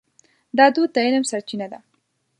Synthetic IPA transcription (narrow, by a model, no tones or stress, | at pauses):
d̪ɑd̪ud̪̚ːaɪlmsaɾt͡ʃinad̪a